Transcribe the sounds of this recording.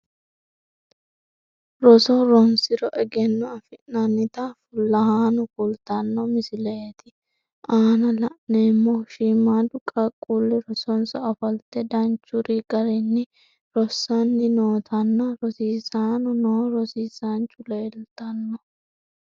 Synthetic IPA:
ɾɔsɔɾɔnsɪɾɔʔɛɡɛnːɔɐfɪnɐnːɪt̪ɐfʊlːɐhaːnʊkʊlt̪ɐnːɔmɪsɪlɛet̪ɪ | ʔaːnɐlɐʔnemːɔʃiːmaːd̪ʊkʼɐkʼːulːɪɾɔsɔnsɔɐfɐlt̪ːɛd̪ɐnt͡ʃːʊɾiɡɐɾɪnːɪ | ɾɔsːɐnːɪnoːt̪ʰɐnːɐɾɔsiːsaːnʊnɔɾɔsiːsant͡ʃʼʊleːlt̪ɐnːɔ

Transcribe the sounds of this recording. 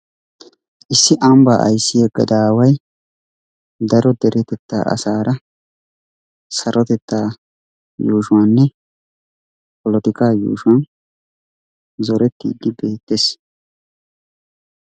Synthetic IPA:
ʔɪsːɪʔɐmba̰ːʔɐ̰jsːɪjɐɡɐd̪aːwɐj | d̪ɐɾɔd̪ɛɾɛt̪ɛt̪ːa̰ːʔɐ̰saːɾʔɐ | sɐɾʔɔt̪ɛt̪ːaː | juːʃʊwanːɛ | pɔlɔt̪ɪkaːjṵːʃʊwɐn | zɔɾɛt̪ːḭːd̪ɪbe̞ːt̪ːes

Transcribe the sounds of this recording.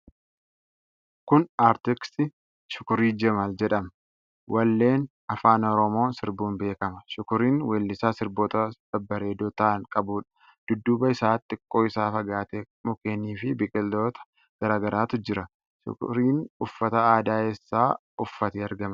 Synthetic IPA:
kʊnaːɾt̪ɪksɪ | ʃʊ̥kʊɾiːd͡ʒɛmɐld͡ʒɛᶑɐm | wʔɐlːe̞ːn | ɐfaːnɔɾɔmo̞ːnsɪɾbuːnbe̞ːkɐmɐʃʊkʊɾiːnweːlːɪsaːsɪɾboːt̪ɐb̥ɐbːɐɾe̞ːd̪oːt̪ɐɐŋkʼɐbuːᶑɐ̥ | d̪̥ʊd̪ːuːbɐɪsaːt̪ʼːɪkʼːo̞ːɪsaːfɐɡaːt̪eː | mʊkeːniːfɪbɪkʼɪlːo̞ːt̪ɐ̥ | ɡ̥ɐɾaːɡɐɾʔaːt̪ʊd͡ʒɪɾɐ | ʃʊ̰kʊ̰ɾiːnʊfːɐt̪ɐaːd̪aːɛsːaː | ʊfːɐt̪iːɐɾɡɐmɐ

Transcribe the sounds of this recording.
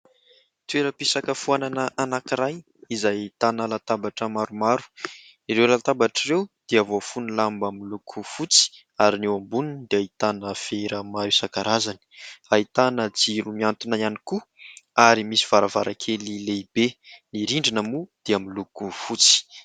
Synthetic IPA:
t̪ueɾəpisakəfuananəʔanakiɾaj | izajt̪analat̪abaʈ͡ʂəmaɾumaɾu̥ | iɾewlalat̪abaʈ͡ʂirewd̪̥eavofunilambamilukʰufut͡si̥ | aɾinewambunind̪eait̪anəfeɾəmaɾusakaɾazani̥ait̪anəd͡ziɾumiant̪unaianikuaɾimisiv̥aɾavaɾʔakʰelileibeniɾiɳɖ͡ʐinəmud̪̥eamilukufut͡si̥

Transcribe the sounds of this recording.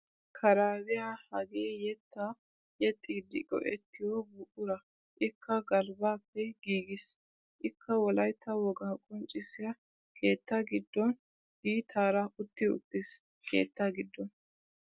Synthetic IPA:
kʰɐɾaːbɪjahɐɡeːjɛt̪ːɐ | jɛt̪ʼːɪd̪ɪɡɔ̰ʔɛt̪ːɪjɔbʊʔʊɾɐ | ʔɪkːɐɡɐlbaːpːɛɡiːɡɪs | ʔɪkʰːɐwɔlɐjt̪ʰːɐwɔɡaːkʼɔnt͡ʃʼɪsɪjɐ | kʰe̞ːt̪ːɐɡɪd̪ːɔn | biːt̪ʰaːɾɐʊt̪ːɪʊ̰t̪ːɪs | kʰe̞̰ːt̪ːɐɡɪd̪ːɔn

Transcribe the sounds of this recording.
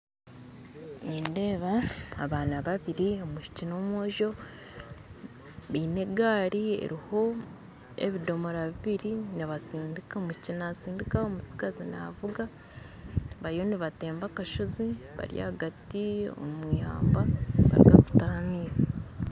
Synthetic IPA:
niːnde̞ːβaːβaːnaβaβiɾiomuʃi̥cino̞mwo̞ːʒo̞ | βiːne̞ɡaːɾiḛɾiho̞ | ḛβido̞moɾaβiβiɾiniβasiːndikaomuʃicinasiːndikaomut͡si̥kazina̰vuɡa | βaɾijo̞niβate̞ːmbakaʃoziβa̰ɾija̰haɡatio̰mwiːha̰ːmbaβa̰ɾiɡaku̥taamiːsḁ

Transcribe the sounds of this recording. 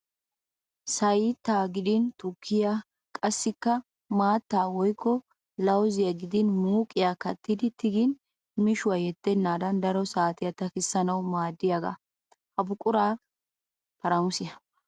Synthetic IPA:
sɐjɪt̪ːaːɡɪd̪ɪnt̪ʊkʰːɪja | kʼɐsːɪkːɐ | maːt̪ːaːwɔjkːɔ | lɐwzɪjɐɡɪd̪ɪnmuːkʼɪjakɐ̰t̪ːɪd̪ɪt̪ɪɡɪn | mɪʃʊwajɛt̪ːɛnːaːd̪ɐnd̪ɐɾɔsaːt̪ɪjɐt̪ɐkɪsːɐnɐwmaːd̪ːɪjaɡa̰ | hɐbʊkʼʊɾaː | pɐɾɐmʊsɪjɐ

